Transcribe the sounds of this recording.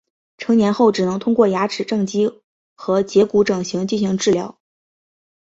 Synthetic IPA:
ʈ͡ʂʰɤ˧˥ŋnjɛ˧˥nxo˥˩ʊʈ͡ʂɻ̩˨˩nɤ˧˥ŋt̪ʰʊ˥ŋkwɔ˥˩ja˧˥ʈ͡ʂɻ̩˨˩ʈ͡ʂɤ˥˩ŋt͡ɕi˥ | xɤ˧˥t͡ɕjɛ˧˥ku˧˥ʈ͡ʂɤ˨˩ŋɕi˧˥ŋt͡ɕi˥˩nɕi˧˥ŋʈ͡ʂɻ̩˥˩ljɑ̰˧˥ʊ

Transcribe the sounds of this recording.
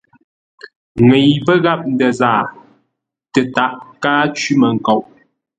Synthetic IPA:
ŋɛ˨jbə˦ɣa˦˨p̚n̩˦də˨zaː˨ | tə˨ta˨ʔkaː˦t͡ʃi˦mə˨ŋ̩˨ko˨wʔ

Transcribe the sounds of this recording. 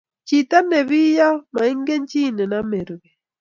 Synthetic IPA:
t͡ʃi˨ta˦nɛ˨βi˦ja˦ma˨i˦ŋɡe˦ɲt͡ʃi˦nɛ˨na˦me˨ɾβɛ˨

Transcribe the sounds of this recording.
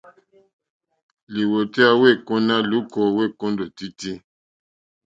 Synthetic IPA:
li˨wo˨ti˦a˦we˦˨kɔ˦na˦lu˨˦kɔ˨we˦˨kɔ̃˦ndɔ˨ti˦ti˦

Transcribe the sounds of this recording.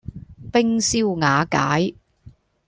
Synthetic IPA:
pɪ˥ŋsiː˥wŋaː˨˧kaː˨˥j

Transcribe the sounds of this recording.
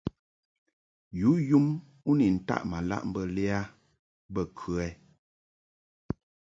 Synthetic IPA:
ju˨˦ju˦m | u˦ni˨n̩˨ta̰˦ʔma˨la̰˦ʔm̩˦bə˨lɛ˦a˦ | bə˦˨kʰʉ˦ɛ˦

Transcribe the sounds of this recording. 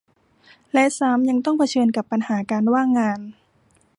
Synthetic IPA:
lɛ˦˥ʔsaː˨˦mɲa˧ŋt̪ɔ˥˩ŋpʰa˧t͡ɕʰɤː˧nka˨˧˦pːa˧nhaː˩˦kaː˧nwaː˥˩ŋːaː˧n

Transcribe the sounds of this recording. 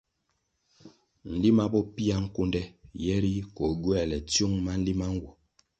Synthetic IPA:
n̩˨li˦ma˦bɔ˦pi˦a˦ŋ̩˦ku˦ndɛ˦jɛ˦ɾi˦kɔ˨ɡwɛ˦˨lɛ˨t͡sju˦ŋma˦n̩˦li˦ma˦ŋ̩˦ɡwu˨

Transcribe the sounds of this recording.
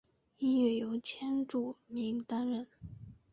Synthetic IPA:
i˥nɥɛ˥˩jo˧˥ʊt͡ɕʰjɛ˥nʈ͡ʂu˥˨˩mi˧˥ŋt̪a˥nɻə˥˩n

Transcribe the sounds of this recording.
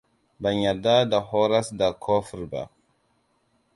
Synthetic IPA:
ba˨ɲa˨da˦da˨ho˦ɾa˦sda˨kʰo˦fɾba̰˨

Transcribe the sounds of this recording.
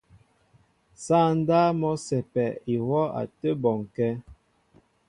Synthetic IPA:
sa˦˨n˦da˦mɔ˦sɛ˨pɛ˨i˨wɔ˦a̰˨tə˦bɔ˨ŋ˨kɛ˦

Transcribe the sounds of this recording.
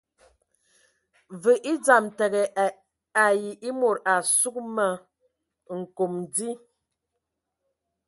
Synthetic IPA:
və˨ʔi˦d͡za˨mtɛ˨ɣɛ˨ | a˨ji˨ʔi˦mo˨ɾa˨su˦k̚mə˦˨ | ŋ̩˨ko˨mdi˦

